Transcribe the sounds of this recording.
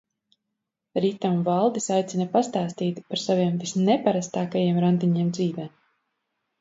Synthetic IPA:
ɾit̪amvalˠd̪isajt̪sinɐpast̪aːst̪iːt̪paɾsaviɛmvisnɛpaɾast̪aːkajeɛmɾand̪iɲeɛmd̪ziːvɛː

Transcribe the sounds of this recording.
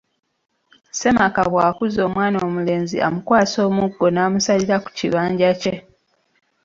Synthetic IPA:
se̞makaβwaːkuzo̞ːmwaːnoːmule̞ːnzḭʔa̰mukwaːso̞ːmuɡːo̞naːmusaliɾaku̥ciβaːɲɟace

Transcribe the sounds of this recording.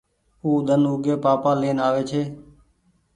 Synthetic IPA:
uːd̪ənuɡeːpaːpãːleːnaːʋeːt͡ʃʰeː

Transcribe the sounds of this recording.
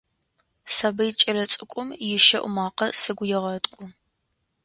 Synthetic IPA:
sabɐjɪt͡ʃʼɐɾɐt͡sʼɨkʷʼʊmjɪʃɐʔʷʊ̰maːqɐsɨɡʷʊjɪʁɐtʼkʷʼʊ

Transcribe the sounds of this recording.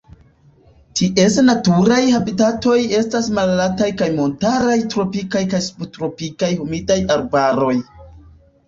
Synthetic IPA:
tʰiʔe̞snatuɾajhabitato̞je̞stasmalalatajkajmo̞ntaɾajtɾo̞pikajkajsu̥potɾo̞pikajhumidajaɾbaɾo̞j

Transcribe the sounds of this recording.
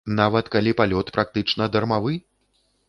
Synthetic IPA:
navɐt̪kalʲipalʲɔt̪pɾʔak̚t̪ɨt͡ʂnɐd̪ɐrmavɨ

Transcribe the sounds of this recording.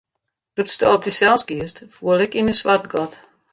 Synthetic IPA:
d̥utstoɔp̚disɛlˠsɡiəstfuəlˠɪkinysʋart̚ɡɔt

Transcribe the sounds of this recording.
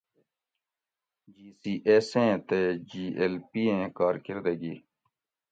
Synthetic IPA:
d͡ʒiːsiːʔeːsẽːt̪eːd͡ʒiːʔeːlpiːẽːkaːɾkɪɾd̪eːɡiː

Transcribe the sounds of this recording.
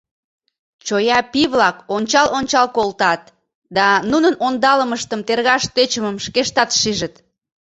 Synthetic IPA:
t͡ɕojɑpiβlɑkonʲt͡ɕɑlonʲt͡ɕɑlkolt̪ɑt̪ | d̪ɑnunənond̪ɑləməʃt̪əmt̪erɣɑʃt̪et͡ɕəməmʃkeʃt̪ɑt̪ʃiʒət̪

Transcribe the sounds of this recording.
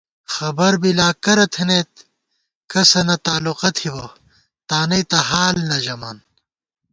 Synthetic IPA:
xɐbɐɾbilaːkɐɾɐt̪ʰeneːt̪̚ | kɐsɐnɐt̪aːluqɐt̪ʰibɐ | t̪aːnɐjt̪ɐɦaːlnɐʑɐmaːn

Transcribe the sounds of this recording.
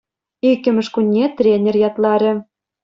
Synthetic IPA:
ikʲːɘ̆mɘ̆ʃkunʲːet̪rʲenʲĕrjɑt̪lɑɾʲĕ

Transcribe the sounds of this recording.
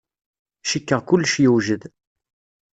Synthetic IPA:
ʃikːəʁkʊlːʃjuwʒəð

